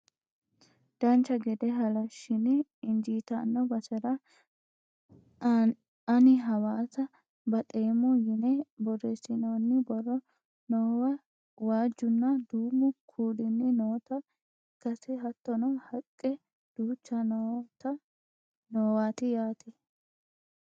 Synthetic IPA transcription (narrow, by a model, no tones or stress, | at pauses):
d̪̥ɐnt͡ʃːɐɡɛd̪ɛɦɐlɐʃːɪnɪɪnd͡ʒiːt̪ɐnːɔbɐsɛɾɐ | ɐnɪɦɐwaːsɐ | bɐt̪ʼe̞ːmɔjɪnɛbɔrɛsɪnoːnːɪbɔrɔ | noːwɐ | waːd͡ʒːʊnːɐd̪uːmʊkʰuːd̪ɪnːɪnoːt̪ɐ | kːɐsɛɦɐt̪ːɔnɔhɐkʼːɛ | d̪̥uːt͡ʃːɐnt̪ | noːwaːt̪ɪjaːt̪ɛ